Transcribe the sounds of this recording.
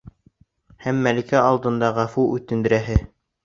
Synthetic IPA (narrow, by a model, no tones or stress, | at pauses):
hæmːælikæɑlˠd̪ɤ̆nd̪ɑʁæfuʉt̪ɘ̆nd̪ɘ̆ɾæɦɘ